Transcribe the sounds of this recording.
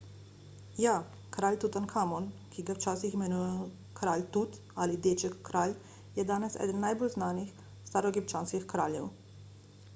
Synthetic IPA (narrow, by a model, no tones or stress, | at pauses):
ja | kɾaːlʲt̪ut̪ankʰaːmɔnkiɡawt͡ʃaːsiximɛnujɛ | kɾaːlt̪ut̪ | alid̪et͡ʃɛkːɾaːl | jɛd̪aːnɛsɛ̰ːd̪ənːajbolznaːnix | st̪aːɾɔɡipt͡ʃaːnskixkɾa̰ːljɛ̰w